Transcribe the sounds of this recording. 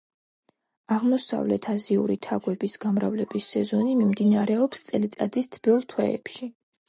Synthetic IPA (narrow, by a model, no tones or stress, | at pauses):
aʁmɔsa̰vlɛ̰t̪ʰaziṵɾit̪ʰaɡwɛbisɡ̥amɾa̰vlɛbisːɛzɔnimimd̪inaɾɛɔpst̪sʼɛlit̪sʼad̪ist̪ʰb̥iɔlˠt̪ʰwɛɛ̰pʃi